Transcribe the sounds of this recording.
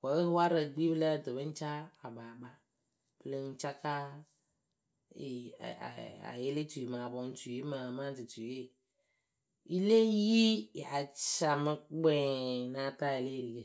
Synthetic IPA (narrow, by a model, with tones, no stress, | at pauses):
wɔ˨˦e˦ɦo˦a˦ɾe˨ɡ͡bi˦ble˦˨d̪o˨be˦ŋ̩˦t͡ʃa˦a˨ba˨ba˦ | ble˦ŋ̩˦t͡ʃa˦ka˦ | ḛ˨ | a̰˨je˦le˦tu˨ji˨mã˨a˨bɔ˨ŋ̩˦tu˨ji˦ma˨mã˦di˨tu˨˦e˦ | i˦le˦ji˦˨a˨t͡ʃa˨me˨k͡pe˦nã˦t̪a˦je˨le˦ɾi˨ke˨